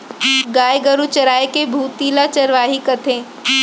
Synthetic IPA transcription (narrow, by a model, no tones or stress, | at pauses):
ɡaːjɡəɾut͡ʃɐɾaːekebʱuːt̪iːlat͡ʃɐɾʋaːɦikɐt̪ʰẽː